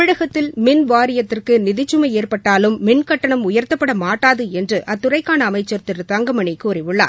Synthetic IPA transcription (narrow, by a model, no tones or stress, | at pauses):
ɪɻɐɣɐt̪ːɪlmɪnʋaːɾɪjɐt̪ːɪrkɯnɪðɪt͡ʃːɯmɐɪeːrpɐʈːaːlɯmːɪnkɐʈːɐɳɐmʊjɐɾt̪ɐpːɐɽɐmaːʈːaːðɯɛndrɯʔɐt̪ːʊrɐɪkːaːnɐːmɐɪt͡ʃːɐɾt̪ɪrt̪ɐŋɡɐmɐɳɪkuːɾɪʋɯɭːa̰ː